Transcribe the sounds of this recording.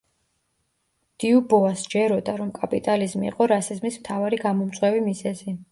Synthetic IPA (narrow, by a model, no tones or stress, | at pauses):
d̪̥iubɔasd͡ʒɛɾɔd̪aɾɔmkʼapʼit̪ʼalizmḭːqʼɔɾasizmismt̪ʰavaɾiɡamɔmt̪sʼwɛvimizɛzi